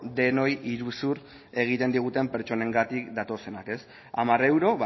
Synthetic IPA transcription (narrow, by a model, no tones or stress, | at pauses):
d̪e̞no̞jiɾusur | e̞ɣ̞it̪e̞nd̪iɣ̞ut̪e̞mpe̞ɾt͡ʃo̞ne̞ŋɡat̪ikd̪at̪o̞se̞nake̞s | a̰mare̞wɾo̞β